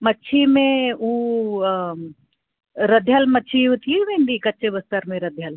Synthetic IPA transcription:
mɐtːʃʰimẽu | ɾɐd̪ʱjalmɐtːʃʰiut̪ʰiʋẽːnd̪ikɐtːʃebɐst̪əɾmẽɾɐd̪ʱjal

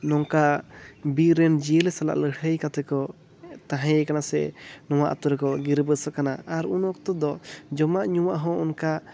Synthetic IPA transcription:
nɔŋkabiɾɛnd͡ʒijəlɛsala̰ʔləɽʰəjkat̪ɛkɔ | t̪ãɦɛ̃jkanasɛ̰nɔwaʔt̪ɔɾɛkɔɡiɾbəsɔkanaaɾunɔkt̪ɔd̪ɔd͡ʒɔmaʔɲuwaʔɦɔ̃ɔnka

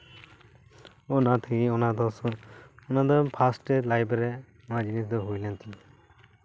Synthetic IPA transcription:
ɔnat̪ʰɛɡiɔnad̪ɔsɔɔnad̪ɔpʰasʈɛlajbɾɛ | ɔnad͡ʒinisd̪ɔɦujlɛnt̪ʰi

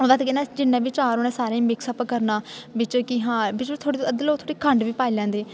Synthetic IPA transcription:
oːd̪aːt̪ʰkɛːnɛ̃ːd͡ʒɪnːɛ̃ːʋɪt͡ʃaːɾoːnẽːsaːɾẽːmɪksəpkəɾnaːʋɪt͡ʃkɪɦãːbɪt͡ʃʋɪt͡ʃt̪ʰoːɽiːəd̪loːt̪ʰoːɽiːkʰəɳɖʋiːpaːilɛ̃ːnd̪eː

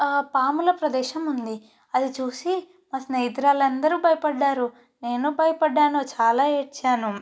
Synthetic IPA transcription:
paːmulɐpɾɐd̪ɛːʃɐmund̪i | ɐd̪it͡ʃuːsi | mɐsnɐid̪ɾaːlɐnd̪ɐɾubʱɐjpɐɖːaːɾu | ne̞ːnubɐjɐpɐɖːaːnoːt͡ʃaːlaːet͡ʃaːnu

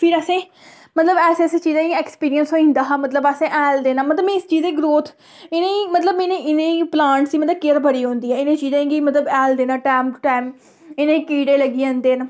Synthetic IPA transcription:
pʰɪɾəsẽː | mət̪ləbɛːseset͡ʃiːzãːiɛkspiːɾijənsoːĩːnd̪aːɦamət̪ləbəsẽːʔɛːld̪eːnaːmət̪ləbẽɪst͡ʃiːzeːɡɾoːt̪ʰ | ɪnẽːimət̪ləbɪnẽːʔɪnẽːplãːɳʈsiːmət̪ləbkɪɾbʱəɽiːɦõːnd̪iːɛːɪnẽːt͡ʃiːzãːɡimət̪ləbɛːld̪eːnãːʈɛːmʈaːm | ɪnẽːikiːɽeːləɡiːãːnd̪eːn

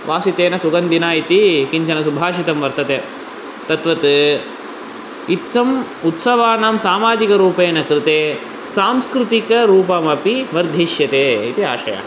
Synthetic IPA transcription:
ʋaːsit̪eːnɐsuɡɐnd̪inaːit̪ikiɲt͡ʃɐnɐsubʱaːʃit̪ɐmʋɐɾt̪ɐt̪eː | t̪ɐt̪ʋɐt̪ɨ | it̪ʋɐm | ut̪sɐʋaːnamsaːmaːd͡ʒikɐɾuːpeːnɐkɾɪt̪eː | saːmskɾut̪ikɐɾuːpɐmɐpiʋɐɾd̪ʱiʃjɐt̪eːit̪ia̰ːʃɐ̰jɐ̰

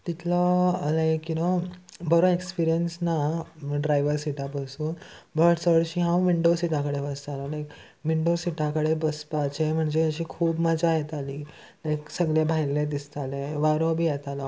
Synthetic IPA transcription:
t̪it̪ʰlɔlajkːinɔbəɾõekspiɾijənsnaɖɾajʋəɾsiʈapəsuːnbʱəʈsəʋəɽɕiɦãwʋiɳɖosiʈãkəɽeʋəst̪alalajk | ʋiɳɖosiʈãkəɽebəspat͡ɕem̤əɳd͡ʑeəɕiːkʰuːbmad͡ʑʱajet̪aliː | lajksəɡlebʱajlẽd̪ist̪alẽʋaɾɔbʱiːjɛt̪alɔ

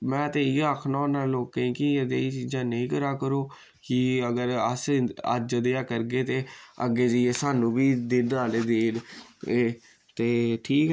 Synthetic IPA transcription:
mɛ̃ːt̪eːiːaːkʰnãːnaːloːkẽĩːkiəd̪eːiːt͡ʃiːd͡ʒãːnəĩːkəɾaːkəɾoː | kɪəɡəɾəsə̰d͡ʒəd̪eːaːkəɾɡeːt̪eːə̰ɡːeːd͡ʒəesaːnũːbiːd̪eːɖaːleːd̪eːleː | t̪eːʈʰiːkː

